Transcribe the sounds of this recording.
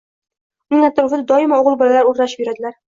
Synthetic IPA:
nɪŋat̪ːɪɾfd̪ad̪ɒɪmaoʁɤlˠbɒlalaɾuɾnaʃpbeɾad̪ɪlæɾ

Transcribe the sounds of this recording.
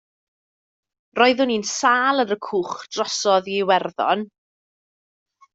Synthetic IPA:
rɔːɨðʊninsaːlˠəɾəkʰuːχd̥rɔsɔðiwɛrðɔ̰n

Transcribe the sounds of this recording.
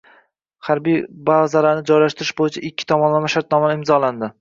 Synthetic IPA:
haɾbijbaʁzalaɾnɪd͡ʒɒjlaʃt̪ɪɾɪʃbojɪt͡ʃʰaʔɪkʲʰːɪ̥t̪ʰɒmɒnlamaʃaɾt̪̚nɒmanɪmzɒland̪ɪ

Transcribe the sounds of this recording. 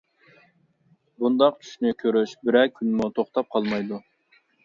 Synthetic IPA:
bund̪ɑqt͡ʃʰy̥ʃnykʲʰøɾyʃbɪɾɛkʲʰːynmut̪ʰoχt̪ʰɑp̚qʰɑlˠmɑjd̪u

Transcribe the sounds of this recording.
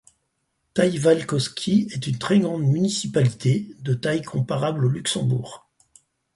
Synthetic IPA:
t̪ajvalkɔskʲʰiɛt̪ynt̪χɛɡʁɑ̃d̪mynisipalit̪ʰed̪ət̪ajkʰɔ̃paʁablolyksɑ̃bṵːʁ

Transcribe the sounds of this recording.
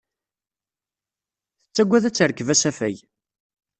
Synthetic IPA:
θət͡sːæɡʷːæðæt͡sːəɾəkːəvæsæfæj

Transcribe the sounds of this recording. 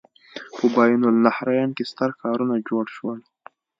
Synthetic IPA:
pəbajnʊlnahɾajɑnkest̪əɾkɑɾunad͡ʒoɽʃwəl

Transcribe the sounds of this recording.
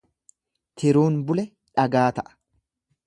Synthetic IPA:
t̪ʰɪɾuːnbʊlɛ | ᶑɐɡaːt̪ɐʔɐ̥

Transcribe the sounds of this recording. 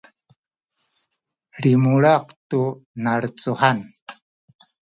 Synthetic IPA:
ɾimuɭaqtunaɾt͡suħan

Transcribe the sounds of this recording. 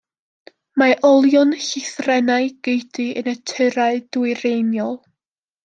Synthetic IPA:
maʔɔlˠjɔnɬɪθrɛnaɨɡ̥ejdɨənətʰɨɾaɨd̥wɨɾejnjɔlˠ

